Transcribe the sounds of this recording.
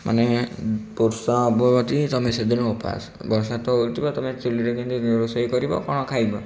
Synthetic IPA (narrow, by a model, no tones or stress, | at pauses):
mʔa̰nepuɾsaːbɔbɔt̪it̪ɔmesed̪ʱinɔupa̰s | bɔɾsat̪ɔult̪ʰibɔt̪ɔmet͡ʃiliɾekʰint̪iiɾɔsɔjkɔɾibɔ̰kɔɽ̃ɔkʰajbɔ